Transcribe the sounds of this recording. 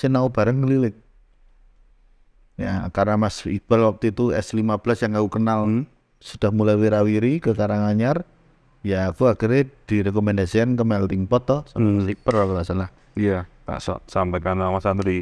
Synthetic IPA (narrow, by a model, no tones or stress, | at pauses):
sɪnaub̥a̤ɾəŋːəlilɪk̪̚ | jakarnamasḭb̥ərwak̚t̪iːt̪uɛ̰slimab̥lasjaŋaukənal | sud̥ahmulajweɾawiɾikəkaɾaŋaɲar | jakuakəɾed̪̥iɾekɔmɛndasikankəmɛlt̪iŋpɔt̪ːɔlipərakəmasalah | ijata̰ʔsɔ̰t̪̚sampɛkanamasanɾi